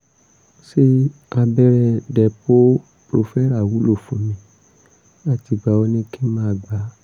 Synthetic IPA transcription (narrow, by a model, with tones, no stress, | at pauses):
ʃe˦a˧bɛ˦ɾɛ˧˨dɛ˨po˦ | pɾo˧fɛ˦ɾa˦˨wu˨˦lo˦˨fũ˨˦mĩ˧˦ | na˦ti˧˨ɡ͡ba˨o˧nĩ˦kĩ˦mãː˦˨ɡ͡ba˨˦